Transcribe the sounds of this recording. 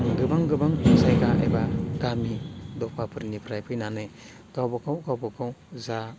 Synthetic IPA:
ɡɯbaŋɡɯbaŋzajɡaʔa̰jbaɡamidɔk̚pʰapʰɯɾnipʰɾajpʰɯjnanɯ | ɡ̥awbɔkʰawɡawbɔkʰawza

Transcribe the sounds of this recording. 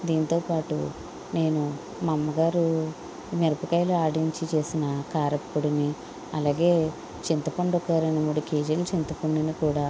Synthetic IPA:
d̪iːnit̪o̞ːpaːʈṵ | ne̞ːnu | mɐmːɐɡaːɾu | meɾɐpukɐjloaːɽiɲt͡ʃit͡ʃe̞ːsinɐkaːɾɐpːuɽini | ɐlaːɡe̞ː | t͡ʃint̪ɐpoɳɖokaːɾɐnɐmːuɽukeːd͡ʒɐlt͡ʃint̪ɐpoɳɖɐnikuːɽaː

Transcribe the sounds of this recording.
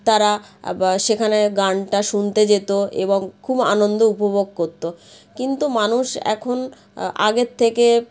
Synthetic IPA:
t̪aɾaʃekʰaneɡaɳʈaʃunt̪ed͡ʑet̪oḛboŋkʰuba̰nond̪oupobʱoɡ̚koɾt̪o | kint̪umanuʃɛ̰kʰon | a̰ɡet̪ʰːeke

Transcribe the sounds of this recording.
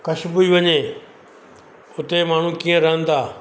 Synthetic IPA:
kɐʃbʊiʋɐɲe | ʊt̪emaːɳ̤ũkiːə̃ɾɐɦə̃n̆d̪aː

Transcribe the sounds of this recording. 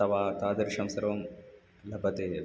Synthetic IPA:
ɐʋaːt̪aːd̪ɐɾʃɐ̃msɐɾɐʋɐm | lɐbɐt̪e

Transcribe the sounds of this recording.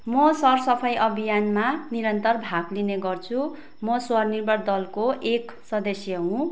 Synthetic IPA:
mʌsʌrsʌpʰʌjʔʌbʱijanmaniɾʌnt̪ʌrbʱaɡlineɡʌrt͡sʰu | mʌswʌrnirbʱʌrd̪ʌlkoek | sʌd̪ʌsjʌɦũ

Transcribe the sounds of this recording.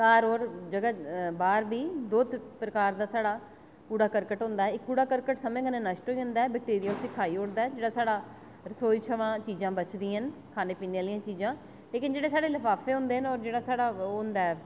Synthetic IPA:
kaːɾoːɾd͡ʒəɡaːbaːɾbiːd̪oːt̪pɾəkaːɾd̪aːsaːɽaː | kuːɽaːkəɾkəʈɦʊ̃ːnd̪aːɛːɪkːuːɽaːkəɾkəʈsəmẽːkənẽːnəʃʈɦoːiːɦʊ̃nd̪aːɛːbək̚ʈeːɾɪjaːʊsĩːkʰaːiːʊɽd̪aːɛːd͡ʒeːɽaːsaːɽaː | ɾəsoːit͡ʃʰəʋãːt͡ʃiːzãːbət͡ʃd̪ĩːɦənkʰaːneːpiːneaːlɪjãːt͡ʃiːzãː | leːkɪnd͡ʒeːɽeːsaːɽeːləpʰaːfeːɦʊ̃nd̪eːɦənɔːɾd͡ʒeːɽaːsaːɽaːʊnd̪aːɛː

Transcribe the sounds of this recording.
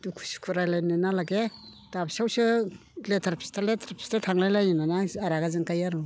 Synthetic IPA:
dukʰu̥si̥kʰuɾajlajnɯnalaɡe | d̥absawsɯletʰaɾpʰi̥staletʰaɾpʰi̥statʰaŋlajlajinanaaɾaɡazɯŋkajaɾu

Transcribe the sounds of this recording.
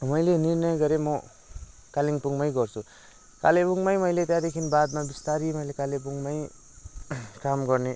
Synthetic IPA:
mʌjlenirnʌjɡʌɾemʌ | kaliŋpuŋmʌjɡʌrt͡sʰu | kalepuŋmʌjmʌjlet̪jãd̪ekʰinbad̪mabist̪aɾimʌjlekalep̬uŋmʌj | kamɡʌrne

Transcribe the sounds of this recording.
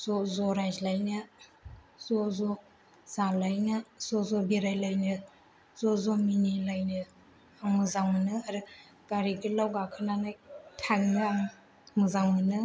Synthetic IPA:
z̥ɔzɔɾajzlajnɯ | zɔzɔ | z̥alajnɯz̥ɔzɔbiɾajlajnɯ | z̥ɔzɔminilajnɯ | aŋmɯzaŋmɯnɯaɾɯ | ɡ̥aɾiɡilawɡakʰɯnanajtʰaŋnɯaŋ | mɯzaŋmɯnɯ

